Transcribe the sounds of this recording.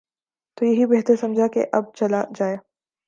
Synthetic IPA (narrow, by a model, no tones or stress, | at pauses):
t̪ojɐɦibɛːɦt̪əɾsɐ̃md͡ʒʱakḛʔɐb̚t͡ʃɐlad͡ʒaːeː